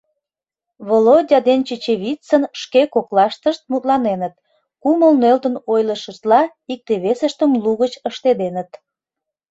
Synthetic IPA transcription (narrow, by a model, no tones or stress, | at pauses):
βolodʲɑd̪ent͡ɕet͡ɕeβʲit͡sənʃkekoklɑʃt̪əʃt̪̚mut̪lɑnenət̪̚ | kuməlnølt̪ənojləʃəʃt̪lɑ | ik̚t̪eβesəʃt̪əmluɣət͡ɕəʃt̪ed̪enət̪